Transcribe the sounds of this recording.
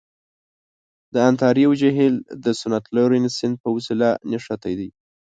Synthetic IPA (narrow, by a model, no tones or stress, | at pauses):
d̪əant̪ɑɾiawd͡ʒaɦild̪əsʊnat̪laɾinsɪnd̪̚pəwʊsilaneʂat̪ajd̪aj